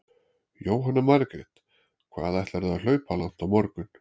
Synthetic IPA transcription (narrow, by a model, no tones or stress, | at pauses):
joːwɦanːamaɾkɾɪt̪ | kʰva̰ːðajht̪laɾɛal̥œːɥpalawŋ̥t̪awmɔɾkʏn̥